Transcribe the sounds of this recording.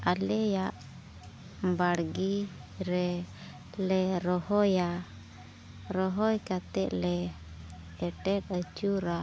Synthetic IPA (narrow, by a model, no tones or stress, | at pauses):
alɛjaʔ | baɽɡiɾɛ | lɛɾɔhɔja | ɾɔɦɔjkat̪ɛʔlɛ | ɛʈɛtət͡ʃuɾa